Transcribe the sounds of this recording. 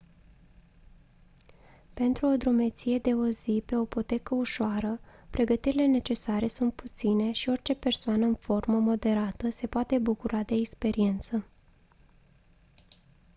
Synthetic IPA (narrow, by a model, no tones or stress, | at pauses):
pe̞nt̪ɾuo̞d̪ɾume̞t̪sije̞d̪e̞o̞zipe̞o̞ipo̞t̪e̞kəuʃoaɾəpɾʔe̞ɡət̪iɾile̞ne̞t͡ʃe̞saɾe̞sunt̪̚put̪sine̞ʃio̞rt͡ʃe̞pe̞rsoanəɨnfo̞rməmo̞d̪e̞ɾat̪əse̞poat̪e̞bukuɾad̪e̞ːkspe̞ɾie̞nt̪sə